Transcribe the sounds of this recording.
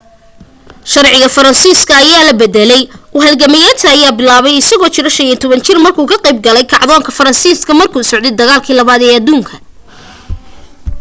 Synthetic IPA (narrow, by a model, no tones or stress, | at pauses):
ʃɐrʕɪɣɐfɐɾɐnsiːskʰɐːjaːlɐbɛd̪ɛlɛjʊɦɐd̪ɡɐmɪjaːt̪ʰɐːjaːbɪlaːβɛjɪsɐɣɔːt͡ʃɪɾɐʃɐnjɛnt̪ʰɔβɐnt͡ʃɪrmɐrkʰuːkʰɐqɑjb̚ɡɐlɛjkʰɑʕðɔːŋkʰɐfɐɾɐnsiːskʰɐmɐrkʰuːsɔʕd̪ɛd̪ɐɣaːlkʰiːlɐβaːd̪ɛːɐd̪uːŋkʰɐ